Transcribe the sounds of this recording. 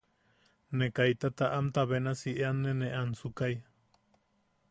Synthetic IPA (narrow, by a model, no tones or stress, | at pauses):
nekajt̪at̪aʔamt̪aβenasiʔeanːenẽʔansukaj